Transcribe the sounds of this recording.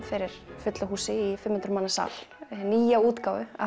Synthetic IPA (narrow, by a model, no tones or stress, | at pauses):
fɪɾɪɾ̥fʏt̪lʏɦuːsɪifɪmhʏnt̪ɾmaːnasa̰lniːjauːt̪kaːwvʏa̰